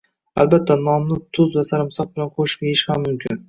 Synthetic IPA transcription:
a̰lbat̪ʰːanɒmnɪt̪ʰʊzvasaɾɪmsɒq̚bɪlanqʰoʃʲeɪʃhamːʊmkʲʰɪn

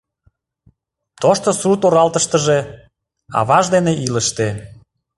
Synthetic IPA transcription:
t̪oʃt̪osut̪oɾɑlt̪əʃt̪əʒe | ɑ̰βɑʒd̪eneʔiləʃt̪e

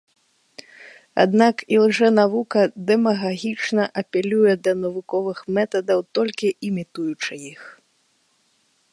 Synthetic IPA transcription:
a̰d̪nakilˠʐɛnavukɐd̪ɛmɐɣaɣʲit͡ʂnɐʔɐpʲɛlʲujɛd̪ɐnɐvukɔvɨxmɛt̪ɐd̪ɐwt̪ɔlʲkʲiʔimʲit̪ujut͡ʂɨjix

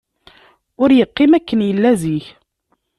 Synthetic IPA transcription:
ʊɾjəqːɪmækːənjəlːæziç

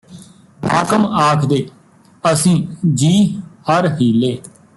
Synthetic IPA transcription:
a̰ːkəmaːkʰd̪eː | əsĩːd͡ʒiːəɾɦiːleː

